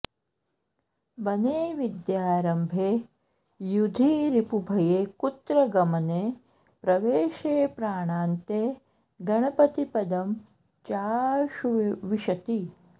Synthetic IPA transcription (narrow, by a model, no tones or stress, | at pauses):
bɐneːʋid̪jaːɾɐmbʱeː | jud̪ʱiːɾipubʱɐjeːkut̪ɾɐɡɐmɐneː | pɾɐʋeːʃeːpɾaːɳaːnt̪eː | ɡɐɳɐpɐt̪ipɐd̪ɐm | t͡ʃaːʃuʋiʃɐt̪i